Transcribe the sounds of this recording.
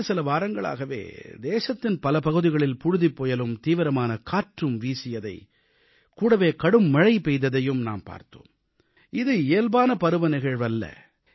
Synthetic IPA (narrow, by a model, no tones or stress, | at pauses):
sɪlɐʋaːɾɐŋɡɐɭa̰ːɣɐʋḛːd̪eːʂɐt̪ːɪnpɐlɐpɐɣɯðɪɣɐɭɪlpʊɻʊðipːɔːjɐlɯmt̪iːʋɪɾɐmaːnɐkaːʈrɯmʋiːsɪjɐðɐ̰ɪ | kuːɽɐʋeːkɐɽɯmːɐɻɐɪpɛjðɐðɐjɯmnaːmpa̰ːɾt̪o̰ːm | ʔɪðɯeːlbaːnɐpɐɾɯʋɐnɪɣɐɻʋɐlːɐ̰